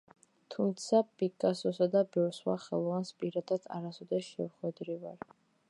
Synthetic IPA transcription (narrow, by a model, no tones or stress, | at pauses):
t̪ʰumt̪sʰapʼikʼasɔsad̪abɛɾswa̰χɛ̰lˠɔvanspʼiɾad̪ad̪a̰ɾasɔd̪ɛʃɛvχwɛd̪ɾivaɾ